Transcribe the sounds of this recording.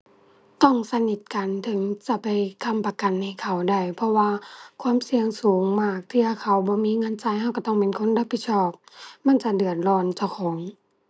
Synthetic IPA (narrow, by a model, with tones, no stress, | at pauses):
t̪ɔ˧˩ŋsa˧ni˧˩t̪̚ka˨nt̪ʰɯ˨˦ŋt͡ɕa˧pa˨˩jkʰa˧˨mpa˧ka˨nːa˧˩jkʰa˨˩wda˧˩jpʰɔ˧waː˧kʰwaː˧˥˨msi˧əŋsuː˨˦ŋmaː˧˩k̚t̪ʰiː˧˩ʔa˧˩kʰa˧˩wbɔː˧˦miː˧˥˨ŋɤ˧˥˨nt͡ɕaː˧˨jha˧˨wka˧˩t̪ɔː˧˩ŋpe˨nkʰo˧˥˨nla˧˩p̚ʰːi˧t̪̚sʰɔː˧˩p̚ma˧˥˨nt͡ɕa˧dɯ˨˩ən̚lɔː˧˩nt͡ɕa˧˩wkʰɔː˩˦ŋ